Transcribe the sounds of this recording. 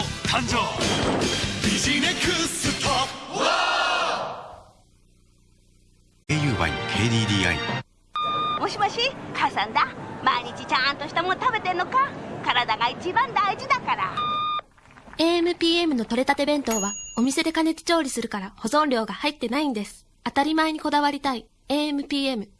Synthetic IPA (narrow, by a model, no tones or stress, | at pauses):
kʰãɲd͡ʑo | biʑinekɯsɨt̪o | eːjɯ̟ːβa̰ḭkʰe̞ːd̪iːd̪ʲiːa̰ḭ | moɕiɡaɕikʰasãnd̪amaiɲ̟it͡ɕit͡ɕãnt̪o̞ɕi̥t̪emot̪abet̪eɯnːokakaɾad̪aɡait͡ɕibãnd̪aiʑid̪akaɾa̰ | e̞ːmɯ̟pʲiːe̞mɯ̟no̞t̪o̞ɾe̞t̪at̪e̞bẽ̞nt̪o̞ːβao̞mʲise̞d̪e̞kane̞t͡si̥t͡ɕo̞ːɾʲisɨɾɯ̟kaɾaho̞zõ̞nɾʲo̞ːɡahait̪ːe̞naĩnd̪e̞sɨ̥ | at̪aɾʲimae̞ɲ̟iko̞d̪aβaɾʲit̪ai | e̞ːmɯ̟pʲiːe̞mɯ̟